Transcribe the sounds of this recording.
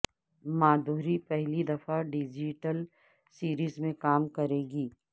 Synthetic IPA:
maːd̪ʱuːɾipɛɦlid̪ɐfaɖɪd͡ʒiʈəl | siːɾiːzmẽkaːmkɐɾeːɡiː

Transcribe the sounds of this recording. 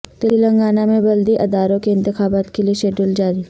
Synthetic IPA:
t̪ɪlilɐ̃ŋɡaːnamẽbɐld̪iʔɐd̪aːɾõkeɪ̃nt̪ɪxaːbaːt̪kelieʃeːɖuld͡ʒaːɾi

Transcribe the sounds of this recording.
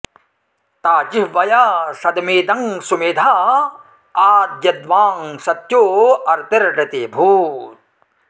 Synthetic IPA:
t̪aːd͡ʒiɦʋɐjasɐd̪miːd̪ɐŋsumid̪ʱaː | aːd̪jɐd̪ʋaːŋsɐt̪joːɐɾt̪iɾʈɪt̪iːbʱuːt̪̚

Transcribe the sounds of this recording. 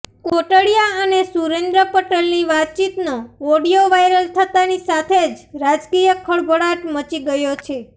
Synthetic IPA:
koʈəɭijaənesuɾend̪ɾəpəʈelniʋat̪̚t͡ʃit̪noɔɽijoʋajɾəlt̪ʰət̪anisat̪ʰed͡ʒɾad͡ʒkijəkʰəɭbʱəɽaʈmət͡ʃiɡəjot͡ʃʰe

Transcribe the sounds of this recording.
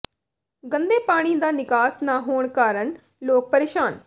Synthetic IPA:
ɡənd̪eːpaːɽ̃iːd̪aːnɪkaːsnaːɦoːɳkaːɾəɳ | loːk̚pəɾeːʃaːn

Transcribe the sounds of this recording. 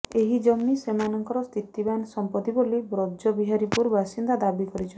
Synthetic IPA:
eɦid͡ʒɔmːisemanɔŋkɔɾɔst̪ʰit̪ibansɔmpɔt̪ibolibɾodd͡ʒɔbiɦaɾipuɾbʱasind̪ad̪abikɔɾit͡ʃʰɔ

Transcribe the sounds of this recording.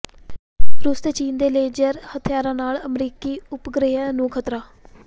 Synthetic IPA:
ɾuːst̪et͡ʃiːnd̪eːleːd͡ʒəɾhət̪ʰɪjaːɾãːnaːləmɾiːkiːʊpɡɾeːãːnũːkʰət̪ɾaː

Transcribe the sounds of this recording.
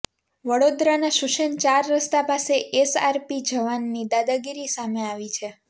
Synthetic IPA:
ʋəɽod̪ɾanaʃuʃənt͡ʃaɾːəst̪apaseʔesaɾpid͡ʒəʋanːid̪ad̪aɡiɾisameaʋit͡ʃʰe

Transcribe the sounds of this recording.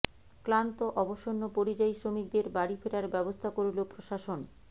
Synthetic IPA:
klant̪oʔɔboʃonːopoɾid͡ʑajsɾomik̚d̪eɾbaɽifeɾaɾbɛbost̪ʰakoɾulopɾoʃaʃon

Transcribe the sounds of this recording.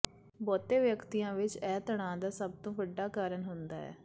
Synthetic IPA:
bɔːt̪eːʋjəkt̪iːjãːʋɪt͡ʃɛːt̪əɳ̃ãːd̪aːsəb̚t̪õːʋəɖːaːkaːɾəɳɦʊnd̪a̰ːɛ̰ː

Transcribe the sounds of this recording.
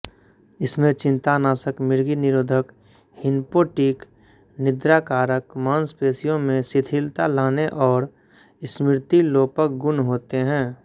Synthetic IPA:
ɪsmẽt͡ʃɪ̃nt̪anaːsəkmɪɾɡinɪɾoːd̪ʱək | hɪnpoʈiːk | nɪd̪ɾaːkaːɾəkmaːnspeːsijõmẽsɪt̪ʰɪlt̪alaːneʔɔːɾ | smɪɾt̪iloːpək̚ɡʊnɦoːt̪eɦɛ̃ː

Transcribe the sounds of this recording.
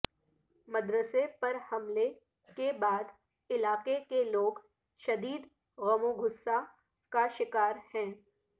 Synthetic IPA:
mɐd̪ɾəsepɐɾhɐmle | kebaːd̪ | ɪlaːqekeloːɡ | ʃɐd̪iːd̪ | ɣɐmoɡʱʊsːa | kaʃɪkaːɾhɛ̃ː

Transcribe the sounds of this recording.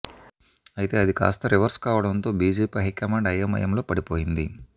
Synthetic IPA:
ɐjit̪e̞ːɐd̪ika̰ːst̪ɐɾiʋɐɾskaːʋɐɽɐnt̪o̞ːbiːd͡ʒiːpɐɦikɐmaːɖɐjɐmɐ̰jɐmlo̞ːpɐɽipoːjind̪i

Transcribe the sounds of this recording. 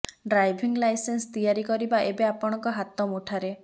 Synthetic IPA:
ɖɾajbʱiŋɡlajsenst̪ijaɾikɔɾibaʔebeapɔɽ̃ɔŋkɔɦat̪ɔmuʈʰaɾe

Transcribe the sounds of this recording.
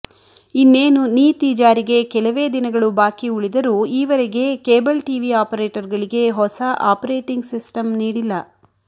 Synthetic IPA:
inːeːnuniːt̪iːd͡ʒaːɾiɡe̞kɛlɐʋe̞ːd̪inɐɡɐɭubaːkiuɭid̪ɐɾuːiːʋɐɾeɡe̞keːbɐlʈiːʋiaːpɐɾeːʈɐɾɡɐɭiɡe̞ɦɔsɐʔaːpɐɾeːʈiŋɡsisʈɐmniːɽilːɐ

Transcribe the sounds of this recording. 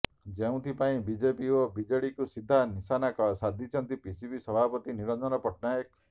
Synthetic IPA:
d͡ʒeũt̪ʰipaĩbid͡ʒepiobid͡ʒeɽikusid̪ʱːanisanakɔsad̪ʱit͡ʃʰɔnt̪ipisibisɔbʱapɔt̪iniɾɔnd͡ʒɔnɔpɔʈnajɔk̚

